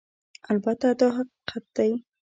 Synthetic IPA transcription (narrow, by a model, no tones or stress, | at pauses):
albat̪ad̪ɑɦaqiqʰat̪̚d̪̥aj